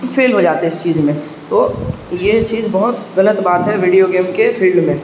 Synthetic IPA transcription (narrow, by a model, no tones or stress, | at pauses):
fʰeːlɦod͡ʒaːt̪eɦɛɪst͡ʃiːzmẽ | t̪oːjet͡ʃiːzbɔɦʊt̪ɣɐlət̪baːt̪ɦɛʋiːɖijoɡeːmkefʰiːlɖmẽ